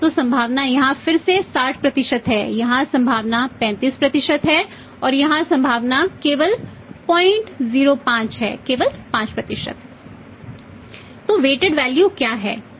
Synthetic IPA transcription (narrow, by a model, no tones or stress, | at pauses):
t̪oːsɐ̃mbʱaːʋnajɐɦãfɪɾsesaːʈʰpɾɐt̪ɪʃət̪ɦɛːjɐɦãsɐ̃mbʱaːʋnapɛ̃ːnt̪iːspɾɐt̪ɪʃət̪ɦɛ | ɔːɾjɐɦãsɐ̃mbʱaːʋnakeːʋəl | pɔːɪ̃ɳʈziːɾopãːt͡ʃɦɛ̰ːkeːʋəlpãːt͡ʃpɾɐt̪ɪʃə̰t̪ | t̪ːoːʋeːʈɪɖʋɛːljukjaːɦɛ̰ː